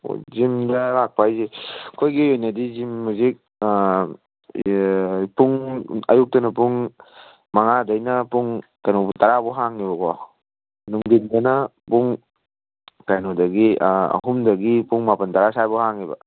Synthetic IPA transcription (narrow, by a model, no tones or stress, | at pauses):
o̰zimdɐlak̚pʰajzekʰojɡiojnɐdizimːuzik̚ | puŋɐ̰juk̚tɐnɐpuŋ | maŋadɐjnɐpuŋkajnoputaɾabɔɦaŋibɐkɔ | nuŋdindɐnɐpuŋ | kajnodɐɡiɐ̰humdɐɡipuŋmapɐntaɾasajbɔhaŋibɐ̰